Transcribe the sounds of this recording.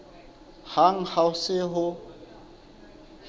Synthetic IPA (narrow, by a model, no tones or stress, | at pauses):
haŋ̩haʊsɪɦʊ